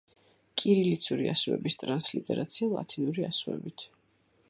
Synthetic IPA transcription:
kʼiɾilit̪sʰuɾiasuɛ̰bist̪ʼɾanslit̪ʼɛɾat̪sʰialˠa̰t̪ʰinuɾia̰suɛ̰bit̪ʰ

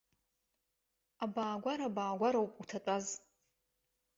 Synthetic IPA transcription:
abaːɡʷaɾabaːɡʷaɾawpʼutʰatʷʼaz

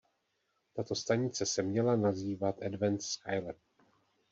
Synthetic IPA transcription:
t̪at̪o̞st̪aɲɪt͡sɛsɛmɲɛlanaziːvat̪ʔɛdvɛnt̪skajlɛt̚

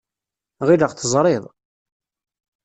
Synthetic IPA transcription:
ʁiləʁθəzˤɾˤɪðˤ

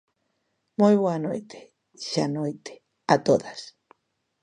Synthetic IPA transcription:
mojβwanojt̪e̥ | ʃanojt̪e̥ | at̪oðas

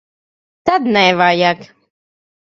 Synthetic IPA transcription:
t̪ad̪nɛvajak

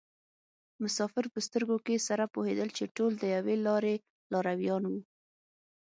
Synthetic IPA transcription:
mʊsɑfɪɾpəst̪əɾɡokesaɾapohed̪əlt͡ʃeʈold̪əjawelɑɾe | lɑɾawjɑnwu

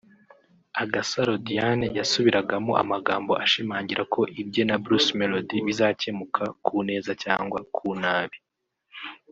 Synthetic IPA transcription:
aɡasaɾodijanejasuβiɾaɡamoʔa̰maɡaːmbo̞aʃimaːɲɟiɾako̞ʔibɟe̞nabɾusme̞lodiβizaːce̞mukʰakʰuːne̞ːzaca̰ːŋɡwakʰuːnaːβi

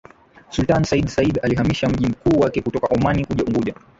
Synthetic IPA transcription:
sultansaiɗsaiɗaliɦamiʃam̩ʄim̩kuːwakɛkutɔkaʔumanikuʄauŋɡuʄa

